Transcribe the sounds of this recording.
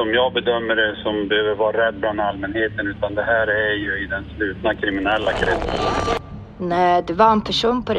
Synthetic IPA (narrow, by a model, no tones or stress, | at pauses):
ɔmjɑːɡbɛd̪œmːəɖɛsɔmbɛhøːvəɾvɑːɾaɾɛd̪̚ːblanalmɛnheːt̪ənʉ̟ːt̪and̪ɛɦæːɾæɾjɵɪd̪ɛnslʉ̟ːt̪nakʰɾɪmɪnɛlːakʰɾɛt̪sən | nɛːd̪ɵvaɾɛnpʰæʂuːnpʰɔd̪